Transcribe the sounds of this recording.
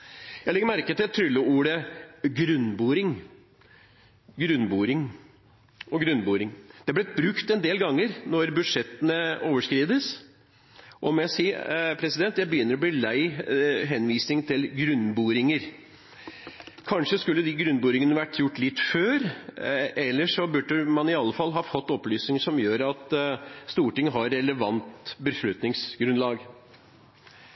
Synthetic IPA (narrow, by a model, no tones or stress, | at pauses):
jæɪlɛɡəmæɾkət̪ɪlt̪ʰːɾʏlːəuːɾəɡɾʉnbuːɾɪŋ | ɡɾʉnːbuːɾɪŋ | ɔɡɾʉnbuːɾɪŋd̪̥ɛblɛbɾʉkt̪ɛnd̪eːlɡɑŋːəɾnɔɾbʉd̪ʂɛt̪ːənəoːʋəʂkɾiːd̪əs | ʔɔmjæsiːpʰɾɛsɪd̪ɛnt̪jæɪbəjʏnːəɾɔbliːlæɪɦɛnʋiːsnɪŋt̪ʰɪlɡɾʉnːbuːɾɪŋəɾ | kʰɑnʂəskʉlːəd̪ɪɡɾʉnːbuːɾɪŋənəʋæʈːjʊʈːlɪt̪ːføːɾ | ɛlːəʂɔbʉɖəmɑnɪɑlːəfɑlːɦɑːfɔt̪ːɔplyːsnɪŋsɔmjøːɾɑt̪st̪uːʈɪŋːəɦɑɾːɛləʋɑnt̪bəʂlʉt̪nɪŋsɡɾʉnlɑːɡ